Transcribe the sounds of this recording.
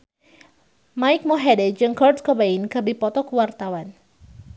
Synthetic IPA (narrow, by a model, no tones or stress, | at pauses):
maik̚moɦɛdɛd͡ʒɨŋkɔrskɔbainkərbipɔt̪ɔkəwart̪awan